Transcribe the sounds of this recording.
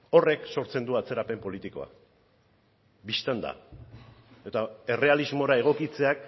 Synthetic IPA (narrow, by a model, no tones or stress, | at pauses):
o̞re̞kso̞ɾt͡se̞nd̪uat͡se̞ɾape̞mpo̞lit̪iko̞̰a̰ | bist̪and̪a̰ | e̞t̪ae̞re̞alizmo̞ɾae̞ɣ̞o̞kit͡se̞ak